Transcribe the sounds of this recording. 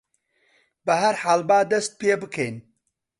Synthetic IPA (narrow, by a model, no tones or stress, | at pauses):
bɐɦɐɾħaːlbaːd̪ɐst̪̚peːbɨkʰejn